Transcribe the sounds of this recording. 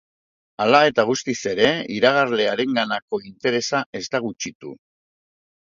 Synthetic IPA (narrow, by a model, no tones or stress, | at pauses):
alae̞t̪aɣ̞ust̪ise̞ɾe̞iɾaɣ̞aɾle̞aɾe̞ŋɡanako̞int̪e̞ɾe̞sae̞zt̪aɣut͡ʃit̪ṵ